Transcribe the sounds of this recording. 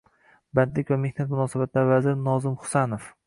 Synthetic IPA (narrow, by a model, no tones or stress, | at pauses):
band̪lɪkʲvame̞hnat̪mʊnɒːsabat̪laɾvazɪɾnɒzɪmχʊ̥sanof